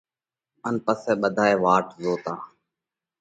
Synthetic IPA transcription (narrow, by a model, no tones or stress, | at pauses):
ənpəsɛːɓəd̪ʱaːeːʋaːʈzoːt̪ãː